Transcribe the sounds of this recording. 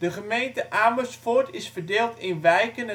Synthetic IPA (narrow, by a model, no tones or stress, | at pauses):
d̥əχəmejntəʔaːməsfotɪsfərdɪːlˠtɪnʋɛjkənə